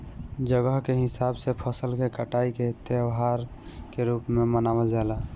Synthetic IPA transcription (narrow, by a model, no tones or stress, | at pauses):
d͡ʒəɡəɦkeɦisabsepʰəsəlkekəʈaiket̪eəʋɦaɾ | keɾupmemənawəld͡ʒala